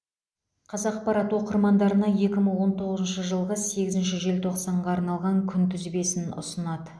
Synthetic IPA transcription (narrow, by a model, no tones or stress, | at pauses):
qʰɑzɑqpɑɾɑt̪wo̞qəɾmɑnd̪ɑɾənɑje̞kʲɪməɴwo̞nt̪ʰo̞ʁəzənʃəʒəlˠʁəse̞ɡʲɪzɪnʃɪʒe̞lt̪ʰo̞qsɑɴʁɑːɾnɑlˠʁɑŋkʲʰʏnt̪ʰʏzbe̞sɪnʊ̰sənɑd̪ə